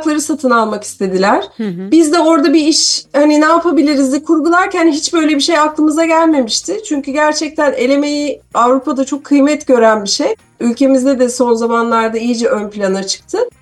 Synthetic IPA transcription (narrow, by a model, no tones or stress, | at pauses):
klˠaɾɯsat̪ʰɯnalˠmaki̥st̪ʰe̞d̪ilʲæɾ̥bizd̪ɛo̞ɾd̪abiiʃhaninaːpʰabilʲiɾizd̪ɛkʰuɾɡulˠaɾcʰænɦit͡ʃbø̞jlʲe̞biʃe̞jaklˠɯmɯzaɟælʲme̞miʃt̪ʰɪt͡ʃʰyɲcyɟæɾt͡ʃʰɛc̚t̪ʰæne̞lʲe̞me̞jiavɾupad̪at͡ʃʰo̞kʰːɯjmɛt̪ɟø̞ɾænbiʃej | ylʲce̞mizd̪ɛd̪ɛso̞nzamanlˠaɾd̪aijid͡ʒɛʔø̞nplʲanat͡ʃʰɯ̥k̚t̪ʰɯ